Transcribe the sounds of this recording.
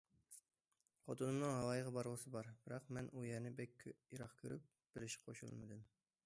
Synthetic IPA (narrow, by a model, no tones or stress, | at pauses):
qʰɑt̪unɨmnɨŋɦɑwɑːjəʁɑbɑɾʁəsɨbɑɾb̥ɪɾɑqmɛnʔujɛɾnɪbɛkʲʰːjiɾɑχkʲʰøɾyp̚ | b̥ɪɾɪʃqʰoʃṵlˠmɨ̰d̪ɨm